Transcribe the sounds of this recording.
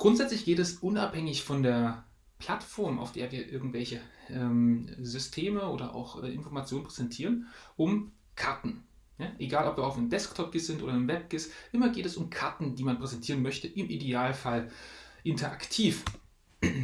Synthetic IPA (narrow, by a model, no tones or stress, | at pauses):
ɡ̥ʁʊntz̥ɛt͡slɪçɡ̥eːtɛsʔʊna̰phɛŋɪçfɔndeːɐ | pʰl̥atfɔɐmʔa̰ʊfd̥eːɐviːɐʔɪɐɡŋ̩tv̥ɛlçəʔɛːmzʏstʰeːməoːdɐʔa̰ʊxʔɛ̰ːʔɪ̰nfɔɐmat͡sjoːnənpʁ̥ɛzɛntʰiːʁənʔʊm | kʰaɐtn̩ | jaʔeɡaːlʔɔpv̥iːɐaʊfnəmdɛsktʰɔp̚ɡ̥ɪsz̥ɪntʔo̰ːdɐnəmvɛp̚ɡ̥ɪsʔɪmɐɡeːtɛsʊmkʰaɐtn̩diːmanpʁ̥ɛzɛntʰiːʁənmœçtəʔɪmʔideaːlfalʔɪntɐʔaktʰiːf